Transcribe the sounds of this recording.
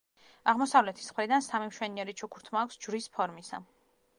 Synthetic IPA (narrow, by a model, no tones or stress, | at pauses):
aʁmɔsavlɛt̪ʰi̥smχɾid̪ansamimʃwɛniɛɾit͡ʃʰukʰuɾt̪ʰmaːkʰʷsd͡ʒvɾispʰɔɾmisa̰